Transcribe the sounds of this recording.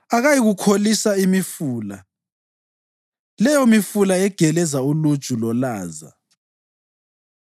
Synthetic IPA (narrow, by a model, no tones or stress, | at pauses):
aɣajiɣukʰolisaimifuːla | lɛjɔmifulaɛɡ̥ʱɛlɛzaulud̥ʒ̥ʱulɔlaːza̰